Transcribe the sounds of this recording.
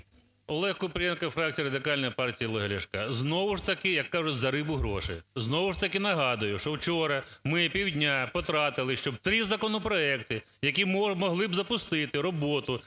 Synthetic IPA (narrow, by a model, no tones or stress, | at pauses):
ɔlˠɛhkʊpɾʲɛnkɐfɾɑk̚t͡sʲijɐɾɐd̪ɪkɑlʲnɐjpɑrtʲijɐlˠɔɦɐɾʲɪʃkɐznɔʋʊʃt̪ɐkɪjɐkːɑʒʊtʲzɐɾɪbʊɦɾɔ̰ʃɪ̰znɔʋʊʂt̪ɐkɪnɐɦɑd̪ʊjʊʃt͡ʃɔwt͡ʃɔɾɐmɪpʲiwdʲnʲapɔt̪ɾɑt̪ɪlˠɪʃt͡ʃɔb̚t̪ɾizɐkɔnɔpɾɔɛkt̪ɪ | jɐkʲimmɔɦlˠɪbzɐpʊst̪ɪt̪ɪɾɔbɔt̪ʊ